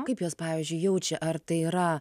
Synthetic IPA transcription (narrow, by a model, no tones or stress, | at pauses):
kɐɪpjoːspɑːʋʲizʲd͡ʒʲʊɪjɛʊt͡ʃʲɛʔɐrt̪ɐɪiːɾɐ